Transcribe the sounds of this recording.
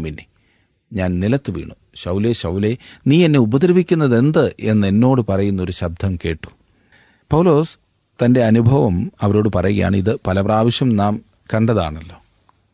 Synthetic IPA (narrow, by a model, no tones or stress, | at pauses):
minːe | ɲaːnnilɐt̪ːɨʋḭːɳu | ɕɐwle̞ɕɐwle̞niːenːe̞ubɐd̪ɾɐbikʲːunːɐðe̞nd̪ɨʔe̞nːe̞nːo̞ːɽɨpɐrɐjunːo̞ɾuɕɐb̚d̪ʱɐmke̞ːʈːu̥ | pɐwlo̞ːs | t̪ɐnde̞ɐnubʱɐʋɐmɐʋɐɾo̞ːɽɨpɐrɐjuɣɐja̰ːɳɨiðɨpɐlɐpraːʋɐɕjɐmnaːm | kɐɳɖɐðaːɳɐlːo̞ː